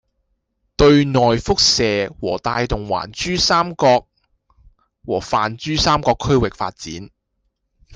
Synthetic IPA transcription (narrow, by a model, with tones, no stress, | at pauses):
t̪ɵ˧ɥnɔː˨jfʊ˥k̚sɛː˨wɔː˨˩t̪aː˧jt̪ʊ˨ŋwa̰ː˨˩nt͡ʃyː˥saː˥mkɔː˧k̚ | wɔː˨˩faː˨nt͡ʃyː˥saː˥mkɔː˧kʰːɵ˥ɥwɪ˨k̚fa̰ː˧t̚t͡siː˨˥n